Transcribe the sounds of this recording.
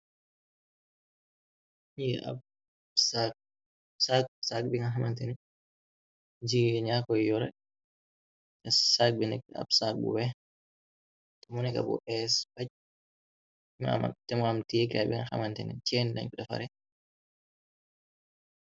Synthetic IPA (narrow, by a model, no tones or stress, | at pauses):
ɲiʔa̰ | sak̚ | sak̚sak̚biŋaɦamantɛnɛ | d͡ʒiɡɛɲakɔjɔɾɛ̰ | tɛsak̚binɛka̰bsak̚bṵwɛ | tɛmɔnɛka̰bɔ̰ʔɛsbat͡ʃ | ma̰a̰tɛmɔamtikabiŋɡaha̰mantɛnɛ̰t͡ʃɛnna̰ɲkuɗɛfa̰ɾɛ